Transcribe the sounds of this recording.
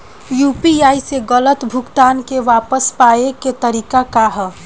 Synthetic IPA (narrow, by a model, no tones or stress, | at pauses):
jupiaiseɡələt̪bʱʊkt̪ankeʋapəspaeket̪əɾiːkakaɦə